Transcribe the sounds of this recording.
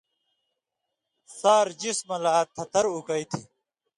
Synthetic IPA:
saːɾd͡ʑismɐlaːt̪ʰɐt̪ɐɾukɐit̪ʰi

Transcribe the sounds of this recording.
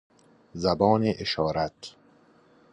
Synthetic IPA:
zæbɒːneʔeʃɒːɾæt̪

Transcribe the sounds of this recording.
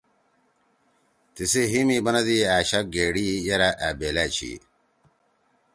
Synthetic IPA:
t̪isiɦimibɐnɐd̪iaːɕɐk̚ɡeːɽijɐɾaʔabeːlaːt͡ɕʰḭ

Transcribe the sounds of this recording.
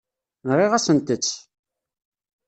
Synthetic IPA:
nɾˤiʁæsənt̪ət͡sː

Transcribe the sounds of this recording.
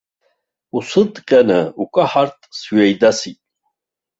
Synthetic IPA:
usɨd̪qʲʼanɨukʷʼaħart̪ʼsɥajd̪asitʼ

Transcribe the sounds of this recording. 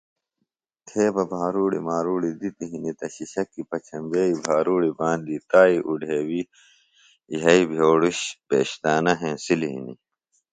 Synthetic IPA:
t̪ʰeːbɐbʱaːɾuːɽḭmaːɾuːɽid̪it̪iɦinit̪ɐɕiɕɐkːipɐt͡ɕʰɐmbeːibʱaːɾuːɽibãːnd̪it̪aːiʔuɖʱeːwi | jɦɐibʱjoːɽuɕpḛːɕt̪aːnɐɦẽːsiliɦḭnḭ

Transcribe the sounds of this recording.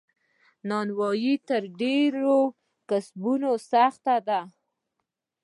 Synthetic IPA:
nɑnwɑjit̪əɾɖeɾo | kasbunosaxt̪ad̪a

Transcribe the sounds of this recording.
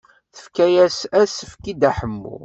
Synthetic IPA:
θə̥fkæjæsæsəfkid̪æħəmːṵ

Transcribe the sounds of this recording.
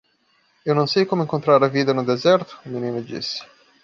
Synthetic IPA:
iononsɛjkomeiŋkont̪ɾaːɾaviːd̪enod̪ezɛrt̪ʊ̥minimed͡ʒḭsːi̥

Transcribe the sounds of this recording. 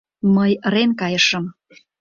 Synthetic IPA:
məjɾenkɑjəʃəm

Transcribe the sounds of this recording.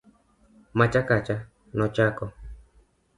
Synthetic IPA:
mat͡ʃakat͡ʃa | nɔt͡ʃakɔ

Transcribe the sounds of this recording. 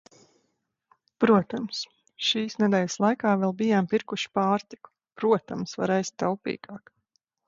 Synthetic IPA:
pɾuɔt̪ams | ʃiːsnɛd̪ɛjʲɪslˠajkaːvɛlˠbijaːmpiɾkuʃi̥paːɾt̪i̥ku̥ | pɾuɔt̪amsva̰ɾajst̪ːawpḭːɡ̥ɑːk

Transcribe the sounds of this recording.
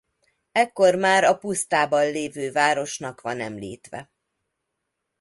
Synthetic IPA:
ɛkːo̞rmaːɾɒpust̪aːbɒnleːvøːvaːɾo̞ʃnɒkʋɒnɛmlḭːt̪ʋɛ̰

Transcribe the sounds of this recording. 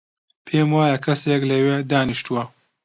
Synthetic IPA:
pʰeːmwaːjɐkʰɐseklɐweːd̪aːniʃt̪uwɐ

